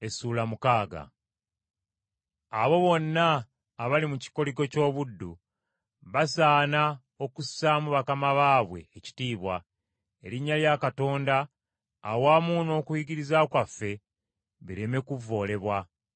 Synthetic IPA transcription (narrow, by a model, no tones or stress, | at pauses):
e̞suːlamukaːɡa̰ | a̰βo̞βo̞nːaː | βalimuci̥ko̞liɡo̞co̞ːβudːṵ | βasaːna | o̞kusamuβakamaβaːβwe̞ːci̥tiːβwa | eɾiɲːaljakato̞ːndaː | waːmuːno̞ːkujiɡiɾizakwafːe̞ | βiɾe̞me̞kuvːo̞ːle̞βwa